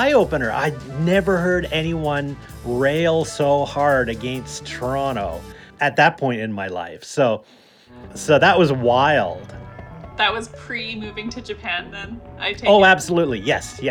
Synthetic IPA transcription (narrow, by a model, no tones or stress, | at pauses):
aɪoʊpɨ̃nə˞ʔa̰ɪnɛvə˞ɦɜ˞ɾɛñiwʌ̃n | ɹeɪlˠsoʊhɑɹɾɨɡɛ̃nstʰə˞ɑñoʊɨt̪̚ðɨt̚pʰɔ̃ɪ̃ntɨ̃nmaɪla̰ɪfsoʊ | soʊðəʔ̚wʌzwaɪlˠd̥ðɨt̚wʌz̥pʰɹ̥imʉvɪ̃ŋtʰɨd͡ʒɨpʰæ̃nðɨ̃nʔaɪtʰoʊæb̥səlutˡlijɛsj